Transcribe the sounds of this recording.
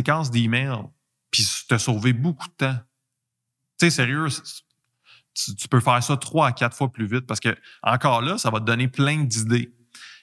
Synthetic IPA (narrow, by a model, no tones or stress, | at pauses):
ekɑ̃s̬d̪emɛl | pi̥t̪əsoːvebʊku̥d̪̚ət̪ã | t͡seseʁjøs | t̪yt̪y̥pøfæːʁsʌt̪χwaːkʲat̪fwaplyvɪt̪̚paʁsə̥kʲəɑ̰̃kɑːʁlʌsavʌt̪̚d̪ʌnɪplɛ̃d̪id̪e